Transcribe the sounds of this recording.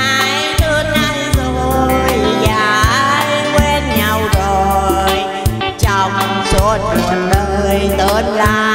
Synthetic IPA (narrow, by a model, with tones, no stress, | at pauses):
a˨˦j | t̪ɨ˧˩əna˧˩jzo˨˩jzaː˧˨˦jkwe˧nɲa˨˧˩wzo˨˩j | t͡ɕɔ˨˧˩ŋ͡m | so˧˦t̚ɗəː˧jt̪əː˨˦n̚laː˧˩